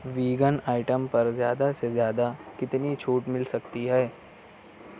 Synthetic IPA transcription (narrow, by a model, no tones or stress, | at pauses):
ʋiːɡənaːɪʈəmpɐɾzjaːd̪asezjaːd̪akɪt̪nit͡ʃʰuːʈmɪlsɐkt̪iɦɛː